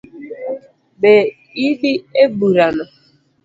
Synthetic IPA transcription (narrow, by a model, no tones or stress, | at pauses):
be | iɦiebuɾanɔ